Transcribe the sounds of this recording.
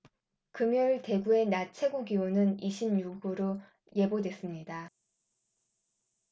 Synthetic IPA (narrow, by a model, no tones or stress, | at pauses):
kɯmjuɭte̞ɡue̞nat͡ɕʰe̞ɡuɡionɯniɕʰimɲuɡɯɾo | je̞bodwe̞s͈ɯmɲida